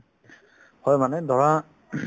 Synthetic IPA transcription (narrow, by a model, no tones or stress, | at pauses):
hɔjmanɛd̪ʱɔɹa